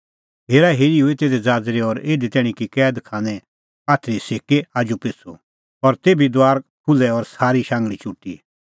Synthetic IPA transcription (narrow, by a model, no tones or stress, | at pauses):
ɦeːɾaɦeːɾiuet̪eːd̪ɛd͡zaːd͡zɾeɔɾeːd̪et̪ɛːɽ̃ĩkikɛːd̪kʰãːnɛ̃ | aːt̪ʰɾiseːkeaːd͡ʒupet͡sʰṵ | ɔɾt̪eːbid̪ʋaːɾkʰʊlɛɔɾsaːɾiʃãːŋɡɭit͡ʃʊʈːḭ